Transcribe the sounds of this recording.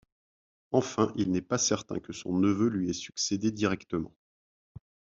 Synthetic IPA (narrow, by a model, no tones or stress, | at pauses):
ɑ̃fɛ̃ʔilnɛpasɛʁt̪ɛ̰̃kəsɔ̰̃nəvølɥiɛsy̥ksed̪ed̪iʁɛkt̪əmɑ̰̃